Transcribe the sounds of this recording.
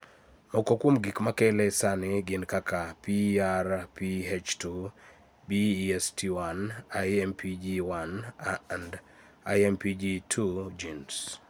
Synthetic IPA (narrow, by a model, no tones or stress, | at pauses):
mɔkɔkwomɡikmakɛlɛsanɪɡɪnkakapiarpiɦet͡ʃtu | biɛstʰiwanajɛmpʰid͡ʒiwannd | ajɛmpid͡ʒitʰud͡ʒins